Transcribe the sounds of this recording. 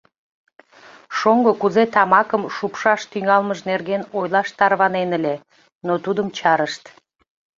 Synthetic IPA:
ʃoŋɡokuzet̪ɑmɑkəmʃupʃɑʃt̪yŋɑlməʃnerɣenojlɑʃt̪ɑrβɑnenəlʲe | not̪ud̪əmt͡ɕɑɾəʃt̪

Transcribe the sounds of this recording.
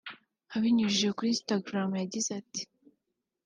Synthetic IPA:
haβiɲuʒijekuɾistaɡɾamjaɟizati̥

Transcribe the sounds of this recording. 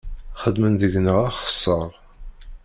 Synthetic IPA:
χəd̪ːmənðəʝnəʁæχə̥sˤːəʁˤ

